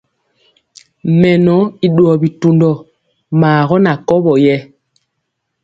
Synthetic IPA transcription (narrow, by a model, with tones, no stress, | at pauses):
mɛ˨nɔ˨˦i˨ɗwɔ˨bi˨tu˨ndɔ˨ | maː˨ɣɔ˦na˨kɔ˦bɔ˨jɛ˦